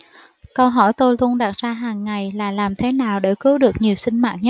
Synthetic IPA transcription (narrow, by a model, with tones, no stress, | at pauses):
kə˧wɦɔ˧˩jt̪o˧jlu˧ənɗa˨˩t̚zaː˧ɦaː˨˩ŋːa˨˩jlaː˨˩laː˨˩mt̪ʰe˨˦naː˨˩wɗḛ˧˩kɨ˨˦wɗɨ˨˩ək̚ɲi˨˩əwsï˧ŋ̟ma̰ː˧˨n̚ɲə˦˥t̚